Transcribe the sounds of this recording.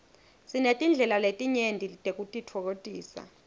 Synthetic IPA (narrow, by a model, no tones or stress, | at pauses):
sinetʼind͡ɮʱɛlaletʼiɲendʱilitʼek̬ʼutʼitʰɔk̬otʼiːsa̰